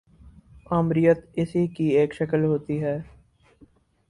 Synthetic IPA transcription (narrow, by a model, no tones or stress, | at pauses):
aːmɾɪjət̪ɪsiːkieːkʃəkəlɦoːt̪iːɦɛː